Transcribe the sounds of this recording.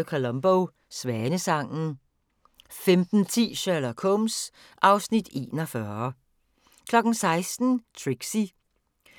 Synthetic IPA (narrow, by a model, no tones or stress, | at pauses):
kʰolɔmb̥oʊ | sʋæɐnəsɑ̈ŋ̰n̩ | femd̥n̩t͡sʰḭːɕælɐkʰɔms | ʔɑ̈ʊsnid̥e̝̰ːnɐfɶɐ | kʰlɒ̽ɡ̥n̩sɑ̈ɪsd̥n̩t͡sʰʁiɡ̥si